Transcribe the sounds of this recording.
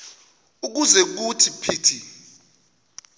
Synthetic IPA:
uk̬uzɛk̬utʰipʰiːtʰi

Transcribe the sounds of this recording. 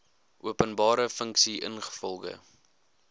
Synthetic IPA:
ʔuəpənbɑːɾəfəŋksiʔə̰nχə̥fɔlˠɣə̰

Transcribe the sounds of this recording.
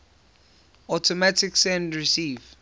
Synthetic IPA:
ɔtʰɔmatʰiksɛ̃ndɹisiːv

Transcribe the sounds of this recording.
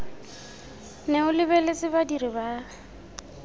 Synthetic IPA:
nɛʊlɪbelet͡sɪbadiribaː

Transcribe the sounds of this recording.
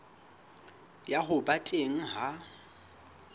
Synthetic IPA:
jaɦʊbatʼeŋ̩ɦa

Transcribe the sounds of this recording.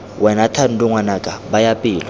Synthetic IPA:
wʔɛnatʰanudʼuŋwanakʼabajapʼiːlwa

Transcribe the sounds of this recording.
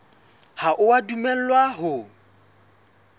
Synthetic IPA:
haʔʊwadumɛl̩lwaɦʊ

